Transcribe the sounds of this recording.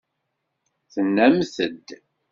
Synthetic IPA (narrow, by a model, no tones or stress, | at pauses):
θənːæmθəd̪